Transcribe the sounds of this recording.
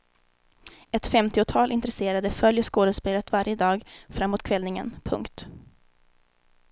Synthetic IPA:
ɛt̪fɛmt̪ɪʊt̪ʰɑːlɪnt̪ɾɛseːɾad̪əfœljəʂkoːd̪əspeːlət̪vaɾjəd̪ɑːɡfɾamːoːt̪̚kʰvɛlnɪŋə̰npʰɵ̰ŋkt̪

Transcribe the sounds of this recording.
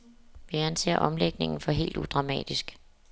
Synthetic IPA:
ʋiænse̝̰ːɐ̰ʔɒ̽mleɡ̥ne̝ŋn̩fɒ̽ɦe̝̰ːld̥ud̥ʁɑ̈mɛ̰ːd̥isɡ̥

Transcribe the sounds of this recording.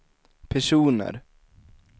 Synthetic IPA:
pʰæʂuːnə̰ɾ

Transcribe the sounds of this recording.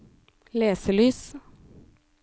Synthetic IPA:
leːsəlyːs

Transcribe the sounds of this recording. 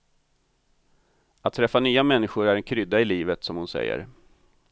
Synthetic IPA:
at̪ʰːɾɛfːanyːamɛnːɪɧʊɾæɾɛnkʰɾʏd̪ːaɪliːvət̪sɔmhʊnsɛ̰jːə̰ɾ

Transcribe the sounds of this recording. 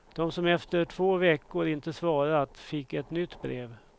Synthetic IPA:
d̪̥ɔmsɔmɛft̪əʈʰvoːvɛkːʊɾɪnt̪əsvɑːɾat̪fɪkːɛt̪nʏt̪ːbɾeːv

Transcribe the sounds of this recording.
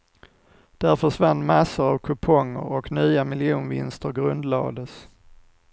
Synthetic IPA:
d̪̥æɾfœʂvanːmasːəɾavkʰɵpʰɔŋːə̰ɾɔknyːamɪljuːnvɪ̰nst̪əɾɡɾɵnd̪lɑ̰ːd̪əs

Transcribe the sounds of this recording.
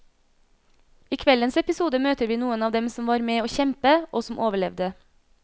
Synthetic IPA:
iːkʰʋɛlənsɛpɪsuːd̪əmøːt̪əɾʋiːnuːənɑːʋd̪ɛmsɔmʋɑːɾmeːoːçɛmpəʔoːsɔmʔoːʋəɭɛʋd̪ə

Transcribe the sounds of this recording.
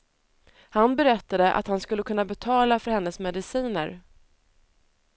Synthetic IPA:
hanbɛɾɛt̪ːad̪əʔa̰t̪hanskɵlːəkʰɵnːabɛt̪ʰɑːlafœɾhɛnːəsmɛd̪ɪsiːnə̰ɾ

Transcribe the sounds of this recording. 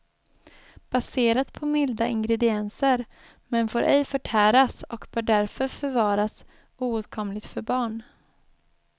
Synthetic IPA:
b̥aseːɾat̪pʰɔmɪld̪aʔɪŋɡɾɛd̪ɪɛnsəɾ | mɛnfoːɾʔɛjfœʈʰæːɾasɔkb̥œːɖæɾfœɾfœɾvɑːɾas | uːʉt̪̚kʰɔmlɪɡt̪fœɾbɑːɳ

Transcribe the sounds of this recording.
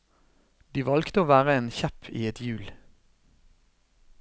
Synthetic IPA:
d̪̥iːʋɑlɡt̪əoːʋæːʁəeːnçæpʰḭːɛt̪ʰjʉːl

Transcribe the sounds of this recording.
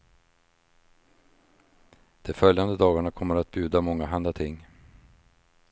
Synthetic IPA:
d̪̥ɛfœljand̪əd̪ɑːɡaɳakʰɔmːəɾat̪̚bjʉ̟ːd̪amɔŋːaɦand̪at̪ʰɪŋː

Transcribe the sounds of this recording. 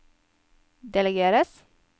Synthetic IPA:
d̪ɛləɡeːɾəs

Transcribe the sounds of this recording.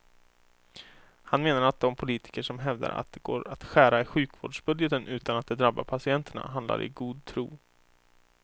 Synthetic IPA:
hanmeːnaɾat̪̚d̪ɔmpʰʊliːt̪ɪ̥kəʂɔmɦɛvd̪a̰ɾa̰t̪̚d̪ɛɡoːɾat̪ɧæːɾaɪɧʉ̟ːkvoːɖʂbɵd̪jət̪ənʔʉ̟ːt̪anat̪̚d̪ɛd̪ɾabːa̰pʰasɪɛnt̪ʰəɳa̰ɦand̪la̰ɾʔɪ̰ɡuːd̪̚t̪ʰɾṵː

